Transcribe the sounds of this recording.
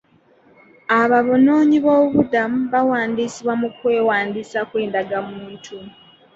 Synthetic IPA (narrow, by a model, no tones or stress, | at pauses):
aβaβo̞no̞ːɲiβoːuβudamuβawaːndiːsiβwamukwe̞ːwaːndisakwe̞ːndaɡamuːntʰu